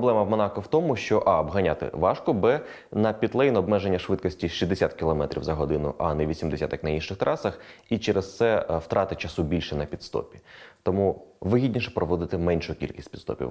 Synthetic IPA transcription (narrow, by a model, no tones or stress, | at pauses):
ɔb̪ˠɛmɐwmɔnɑkɔwt̪ɔmʊʃt͡ʃɔʔɑɔbɦɐnʲat̪ɪ̰ʋɑʃkɔbɛ | nɐpʲit̪lˠɛjnɔbmɛʒenʲːɐʃʋɪt̪kɔsʲtʲiʃizd̪esʲat̪kʲːilˠɔmɛt̪ɾʲḭwzɐɦɔd̪ɪnʊ̰ʔɑnɛʋʲisʲimd̪esʲa̰t̪ɐknɐinʃɪxt̪ɾʔɑsɐxit͡ʃɛɾest̪sɛwt̪ɾʔɑt̪ɪt͡ʃɐsubʲilʲʃɛnɐpʲit̪st̪ɔ̰pʲi̥t̪ɔmuʋɪɦʲidʲnʲiʃɛ̥pɾɔʋɔd̪ɪt̪ɪmɛnʲʃʊjʊkʲḭlʲkʲisʲtʲpʲid̪st̪ɔ̰pʲḭ